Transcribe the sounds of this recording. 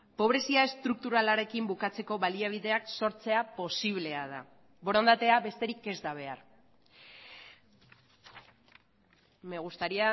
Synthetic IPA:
po̞βɾe̞siae̞st̪ɾuk̚t̪uɾalaɾe̞kimbukat͡se̞ko̞βaliaβ̞iðe̞akso̞ɾt͡se̞apo̞siβ̞le̞að̞a̰ | bo̞ɾond̪at̪e̞aβe̞st̪e̞ɾike̞zd̪aβ̞e̞a̰ɾ | me̞ɣ̞ust̪aɾia

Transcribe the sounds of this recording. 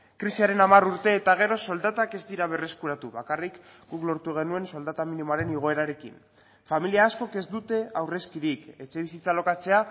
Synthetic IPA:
kɾisiaɾe̞namaruɾt̪e̞ːt̪aɣ̞e̞ɾo̞so̞ld̪at̪ake̞zd̪iɾaβ̞e̞re̞skuɾat̪uβakarikɡuklo̞ɾt̪uɣ̞e̞nue̞nso̞ld̪at̪aminimoaɾe̞niɣ̞o̞e̞ɾaɾe̞kḭn | familiaːsko̞ke̞zd̪ut̪e̞awre̞skiɾike̞t͡ʃe̞βisit͡salo̞kat͡se̞a

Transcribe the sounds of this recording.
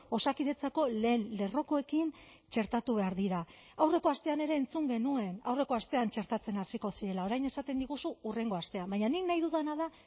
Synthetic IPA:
o̞sakiðe̞t͡sako̞le̞ːnle̞ro̞ko̞e̞kin | t͡ʃe̞ɾt̪at̪uβe̞aɾðiɾa | awre̞ko̞ast̪e̞ane̞ɾe̞ːnt͡suŋɡe̞nue̞nawre̞ko̞ast̪e̞ant͡ʃe̞ɾt̪at͡se̞nasiko̞siɾe̞lao̞ɾajne̞sat̪e̞nd̪iɣusuːre̞ŋɡo̞ast̪e̞ambaɲaniknajðuðanað̞a

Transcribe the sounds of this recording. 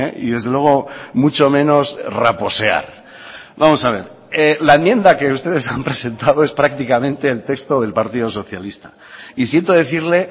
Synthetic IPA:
ḛḭðe̞zðelweɣ̞o̞mut͡ʃo̞mẽ̞no̞srapo̞se̞a̰ɾ | βamo̞saβ̞e̞ɾ | elaemje̞nd̪ake̞ust̪e̞ð̞e̞sampɾe̞se̞nt̪aðo̞e̞spɾak̚t̪ikamẽ̞nt̪e̞ːlt̪e̞kst̪o̞ðe̞lpaɾt̪iðo̞so̞θjalist̪a | isje̞nt̪oðe̞θiɾle̞

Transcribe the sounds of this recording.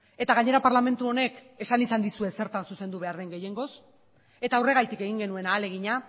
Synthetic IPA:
e̞t̪aɣ̞aɲe̞ɾapaɾlame̞nt̪uo̞ne̞k | e̞sanisand̪isue̞se̞ɾt̪ansuse̞nd̪uβe̞aɾðe̞ŋɡe̞je̞ŋɡo̞s | e̞t̪aːwre̞ɣ̞ajt̪ike̞ɣ̞iŋɡe̞nue̞naːle̞ɣ̞iɲa

